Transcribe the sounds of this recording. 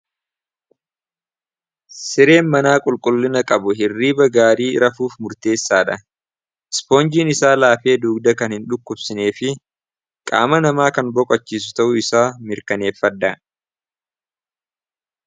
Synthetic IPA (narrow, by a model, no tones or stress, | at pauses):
sɪɾe̞ːnmɐnaːkʼʊlkʼʊlːɪnɐkʼɐbʊhɪrːiːbɐɡaːɾiːɾɐfuːfmʊɾt̪e̞ːsːaːᶑɐ | ɪspo̞ːnd͡ʒiːnɪsaːlaːfe̞ːd̪uːɡd̪ɐkɐnhɪnᶑʊkːʊbsɪne̞ːfɪ | kʼa̰ːmɐnɐmaːkɐnbɔkʼɔt͡ʃːiːs̬ʊ̥t̪ɐʔʊɪsaːmɪɾkɐne̞ːfːɐd̪ːɐ